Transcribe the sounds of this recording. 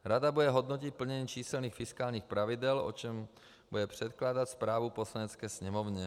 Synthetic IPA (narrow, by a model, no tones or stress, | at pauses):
ɾad̪abudɛɦod̪nocit̪̚pl̩ɲɛɲiːt͡ʃiːsɛlniːxfiskaːlɲiːxpɾavɪd̪ɛlo̰t͡ʃɛm | budɛpr̝̥ɛt̪klaːd̪at̪spɾaːvuposlaɲɛt͡skɛːsɲɛmovɲɛ